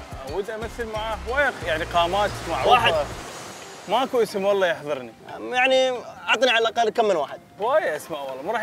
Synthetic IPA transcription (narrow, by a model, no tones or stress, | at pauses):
ʔawiːd̪ʔamaθːɪlmaʕaːxwaːjajaʕniqɑːmaːt̪maʕwaːħɪ | maʔakuʔɪsɪmwɑlːɑjɪħðˤɨɾnijaʕniʕɑt̪ˤniʕalalʔɑqalːkamːɪnwa̰ːħɪd̪̥̚waːjaʔasmaʔwɑlˤːɑmaɾˤɑː